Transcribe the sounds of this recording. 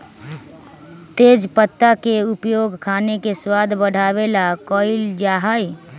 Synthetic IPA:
t̪eːd͡ʒpət̪ːakeʊpjoːɡʱkʰaːnekeswaːd̪ʱbəɽ̤ʱaːwelakɔːɪld͡ʒaɦaj

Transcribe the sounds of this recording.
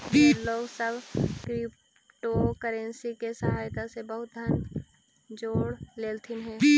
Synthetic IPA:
loːɡsəbʱkɾɪp̚ | ʈokəɾẽnsikesəɦaːjt̪asebəɦʊt̪̚d̪ʱən | d͡ʒoːɽleːlt̪ʰɪnɦɛ̃ːi

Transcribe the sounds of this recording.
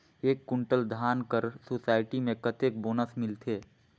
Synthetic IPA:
eːkːʊ̃ɳʈəld̪ʱaːnkəɾsoːsaːɪʈimẽkɐt̪eːk̚boːnəsmɪlt̪ʰeː

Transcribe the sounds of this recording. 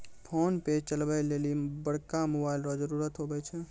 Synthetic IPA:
pʰonpet͡ʃəlbəjlelibəɽkamobailɾɔd͡ʒəɾuɾət̪ɦobɛt͡ʃʰɛ

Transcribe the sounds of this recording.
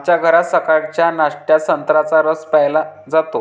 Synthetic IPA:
t͡ɕjaɡʱəɾat̪səkaɽt͡ɕjanaʂʈjasənt̪ɾat͡saɾəspɛjla | d͡zat̪o

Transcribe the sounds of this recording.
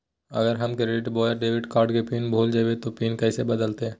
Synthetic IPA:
ə̰ɡəɾɦəmkeɾeʈbɔːjəɾɖeːʋɪɖkaːɾʈkepiːnbʱoːld͡ʒabet̪opiːnkɛsebəd̪əlt̪e

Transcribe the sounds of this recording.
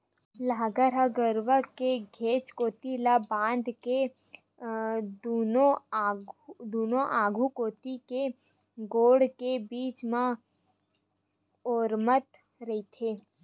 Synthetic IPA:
laːɡəɾɦaɡəɾʋəkeɡʱeːt͡ʃkoːt̪ilabãːnd̪ke | uno | d̪uːnoʔaːɡʱukoːt̪ike | ɡoːɽkebiːt͡ʃmã | oːɾmət̪ | ɾəit̪ʰeː

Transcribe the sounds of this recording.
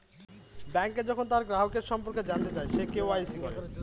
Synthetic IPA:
bɛŋked͡ʑɔkʰont̪aɾɡɾaɦokeɾʃɔmpoɾked͡ʑant̪et͡ɕaeʃekewajsikɔɾe

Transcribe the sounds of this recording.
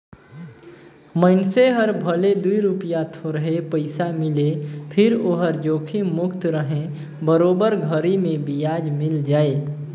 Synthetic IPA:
mənseɦəɾbʱəled̪uiɾupijat̪ʰoɾəɦepəɪsamɪlepʰɪɾoːɦəɾd͡ʒoːkʰimʊkt̪ɾəɦẽ | bəɾoːbəɾɡʱəɾimẽbijaːd͡ʒmɪld͡ʒaːe

